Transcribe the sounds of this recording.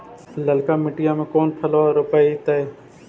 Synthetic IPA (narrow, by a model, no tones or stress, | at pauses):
ləlkaːmɪʈɪjãːmẽkoːnpʰəloːɾʊpəit̪əe